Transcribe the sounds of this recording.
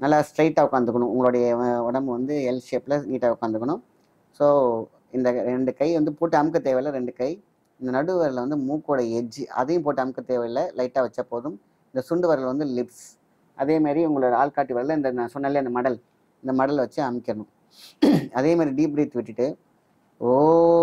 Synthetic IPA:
nɐlːaːsʈɾɐɪʈːaːʊkːaːnd̪ɯkːɐɳʊ̃ʊŋɡɐɭoːɽɐjɐʊɽɐmbɯʋɐnd̪ɯɛlʃeːplɐniːʈːaːʊkːaːnd̪ɯkːɐɳʊ̃m | soː | ɪnd̪ɐɾɛɳɖɯkɐɪʋɐnd̪ɯpuːʈːɯɐmɯkːɐt̪ːeːʋɐjɪlɐɾɛɳɖɯkɐɪ | ɪnd̪ɐnɐɽɯʋɐɾɐlʋɐnd̪ɯmuːkːoːɽɐɛd͡ʒːɯʔɐ̰ðɐjɯ̃mpoːʈːɯɐmɯkːɐt̪ːeːʋɐjlɐlɐɪʈːaːʋɐt͡ʃːɐpːoːðɯm | ɪnd̪ɐsʊɳɖɯʋɐɾɐlʋɐnd̪ɯlɪps | ʔɐðeːmaːd̪ɾiʊŋɡɐɭoːɽɐaːlkaːʈːiʋɐɾɐlɐɪnd̪ɐnãsɔnːɐɪlːɪjɐɪnd̪ɐmɐɽɐl | ɪnd̪ɐmɐɽɐlʋɐt͡ʃːɯɐmɪkːɪɾɐɳɯ̃m | ɐðeːmaːd̪ɾiɖiːbɾiːt̪ːɯʋɪʈːɯʈːɯ | oː

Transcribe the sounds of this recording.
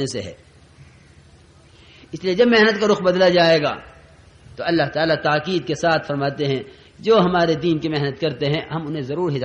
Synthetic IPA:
nesḛɦɛ̰ː | ɪslied͡ʒɐbmɛɦnət̪kaɾʊxbɐd̪lad͡ʒaːeːɡa̰ː | t̪oɐlːaɦt̪aːlat̪aːkiːd̪̚kesaːt̪ʰfɐɾmaːt̪eɦɛ̃ | d͡ʒoːɦɐmaːɾed̪iːnkimɛɦnət̪kɐɾt̪eɦɛ̃ɦɐmʊnɦẽzɐɾuːɾɦɪd̪

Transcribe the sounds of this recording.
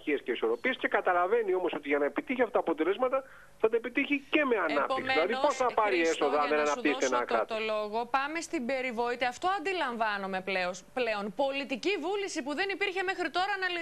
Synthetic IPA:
iesce̞iso̞ɾo̞piesce̞kɐt̪ɐlɐve̞nio̞moso̞t̪iʝɐnɐe̞pit̪içiɐfɐt̪ɐpo̞t̪e̞le̞zmɐt̪ɐ | θɐt̪ɐepit̪içice̞me̞ɐnɐpiksilɐðiposθɐpɐɾieso̞ðɐɐnðenɐnɐpt̪iset̪enɐkɐt̪t̪olo̞ɣo̞pɐme̞st̪ibe̞ɾivoit̪eɐft̪o̞ɐnd̪ilɐɱvɐnome̞pleosple̞o̞npo̞lit̪icivulisipuðe̞nipiɾçe̞me̞xɾit̪o̞ɾɐnɐ

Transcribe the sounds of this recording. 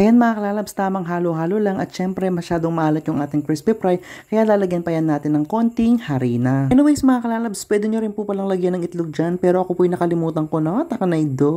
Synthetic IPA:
ʔɐjanmɐʔakɐlaːlɐbst̪aːmɐŋɦaːloɦaːlolaŋʔɐt̪ʃɛmpɾɛmɐʃaːd̪oŋmɐʔaːlɐt̪jʊŋʔaːt̪ɪŋkɾɪspɪpɾajkɐjalaːlɐɡjɐnpɐjanːaːt̪ɪnːɐŋko̞nt̪ɪŋhɐɾiːnɐɛnowɛjsmɐŋakɐlaːlɐbspwɛːd̪ɪɲoɾɪnpupɐlɐŋlɐɡjɐnːɐŋɪt̪loɡ̚d͡ʒanpɛːɾo̞ʔɐkopuːʔɐjnɐkɐlɪmuːt̪ɐŋko̞not̪ɐkɐnɐjd̪o

